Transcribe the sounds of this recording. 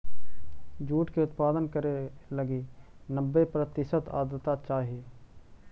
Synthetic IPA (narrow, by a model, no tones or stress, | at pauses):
d͡ʒuːʈkeʊt̪paːd̪ənkəɾelɐɡinəbːepɾət̪ɪʃət̪a̰ːd̪ət̪at͡ʃaːɦie